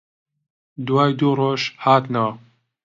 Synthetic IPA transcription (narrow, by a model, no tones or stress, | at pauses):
d̪waːjd̪uːroːʒhaːt̪nɐwɐ